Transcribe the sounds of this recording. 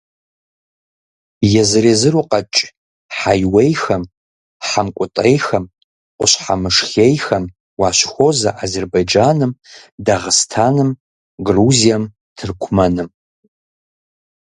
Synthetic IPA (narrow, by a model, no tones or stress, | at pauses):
jazɨɾezɨruqʼat͡ʃʼ | ħajwejxɐm | ħamkʷʼʊtʼejxɐm | qʷʼʊ̰ɕʷħamɨʂxʲejxɐm | waʃʷxʷozaʔazerbajd͡ʒanɨmdaʁəstʰanɨm | ɡruzijam | tʰɨrkʷʰmɐnɨm